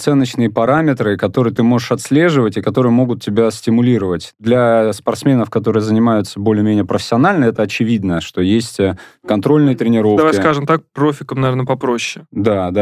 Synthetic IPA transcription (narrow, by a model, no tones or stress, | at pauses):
t̪sɛnːət͡ɕnɨjəpɐɾamʲɪt̪ɾɨkɐt̪o̞ɾɨjət̪ɨmo̞ʐɨʂɐt̪sʲlʲe̞ʐɨvətʲɪkɐt̪o̞ɾɨjəmo̞ɡʊt̪tʲːɪbʲasʲtʲɪmʊlʲiɾəvətʲd̪lʲɐspɐrt̪smʲe̞nəfkɐt̪o̞ɾɨjəzənʲɪmajʊt̪səbo̞lʲɪmʲenʲɪjəpɾəfʲɪ̥sʲːɪɐnalʲnəɛt̪əɐt͡ɕɪvʲid̪nəʂt̪o̞jesʲtʲəkɐnt̪ɾo̞lʲnɨjət̪ɾʲɪnʲɪɾo̞fd̪ɐvajʲɪskaʐɨmt̪ak̚pɾofʲɪkəmnɐvʲernəpɐpɾo̞ɕːɪ̥d̪ad̪a